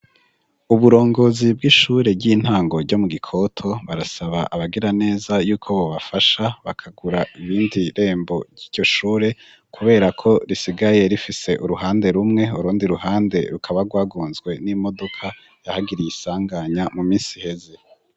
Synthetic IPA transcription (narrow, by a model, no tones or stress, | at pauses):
uβuɾo̞ːŋɡo̞ːzib̚ɡiʃuːɾe̞ɟiːn̥haːŋɡo̞ɾɟo̞muɡikʰo̞tʰo̞βaɾasaβaʔaβaɡiɾane̞ːzajuːkʰo̞βo̞βafaʃaβakʰaɡuɾaiβiːndiɾe̞ːmbo̞ɾɟiːɟo̞ʃuːɾe̞ | kʰuβe̞ːɾakʰo̞ɾisiɡaje̞ɾifise̞ʔuɾuɦaːnde̞ɾumŋe̞uɾuːndiɾuɦaːnde̞ɾukʰaβaɾɡwaːɡuːnzɡwe̞nimo̞do̞kʰa | jahaɡiɾijisaːŋɡaɲamumiːnsi̥he̞ze̞